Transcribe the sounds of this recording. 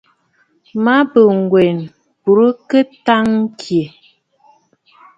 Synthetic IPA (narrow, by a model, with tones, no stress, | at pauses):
ma˦bə˨ŋ˨ɡwe˨n | bu˨ɾə˦kə˦ta˦ŋ˦kʰje˨